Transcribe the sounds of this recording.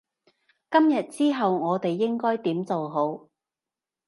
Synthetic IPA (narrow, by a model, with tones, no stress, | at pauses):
kɐ˥mjɐ˨t̚t͡siː˥ɦɐ˨wŋɔː˨˧t̪e˨jːɪ˥ŋkɔː˥jt̪iː˨˥mt͡so˨wɦo˨˥w